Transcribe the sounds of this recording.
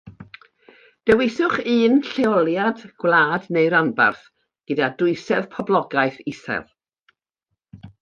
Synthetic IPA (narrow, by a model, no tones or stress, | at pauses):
d̥ɛwɪθʊχɨːnɬeɔlˠjadɡ̥wlˠaːdnejɾanba̰rθ | ɡ̥ədadʊɨsɛð̥pʰɔblˠɔɡaɨθɪsɛ̰lˠ